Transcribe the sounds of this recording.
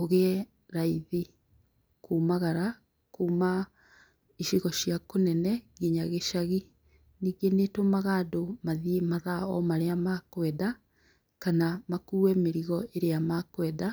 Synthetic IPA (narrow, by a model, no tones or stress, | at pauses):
oɣeɛ | ɾaiði | kumaɣaɾa | kuːma | iʃiɣɔɕiakonɛnɛɣiɲaɣeʃaɣi | niːɡenetomaɣaːdomaðiemaðaɔ̰maɾeamakwɛda | kanamakuːwɛmeɾiɣɔʔeɾeamakwɛda